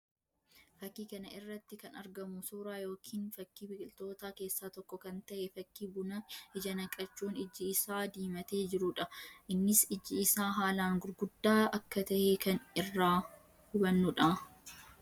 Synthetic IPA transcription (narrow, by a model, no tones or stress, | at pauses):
fɐkːiːkɐnɐʔɪrːɐt̪ːɪkɐnɐɾɡɐmʊsuːɾaːjo̞ːkʰiːnfɐkːiːbɪkʼɪlt̪o̞ːt̪aːke̞ːsːaːt̪ɔkːɔkɐnt̪ɐʔɛfɐkːiːbʊnɐɪd͡ʒɐnɐkʼɐt͡ʃːuːnɪd͡ʒːɪɪsaːd̪iːmɐt̪e̞ːd͡ʒɪɾʊᶑɐʔɪnːɪsɪd͡ʒːɪɪsaːɦaːlaːŋɡʊɾɡʊd̪ːaːɐkːɐt̪ɐhekɐnɪrːaː | hʊbɐnːʊᶑɐ